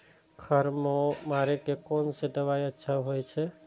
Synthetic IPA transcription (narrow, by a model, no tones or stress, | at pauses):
kʰəɾmomaɾekekonsed̪əʋajətːʃʰaɦojt͡ʃʰɛ